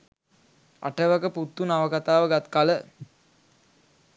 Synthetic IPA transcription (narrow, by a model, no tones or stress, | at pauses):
a̰ʈəʋakəput̪ːunaʋəkat̪aːʋəɡat̪kalə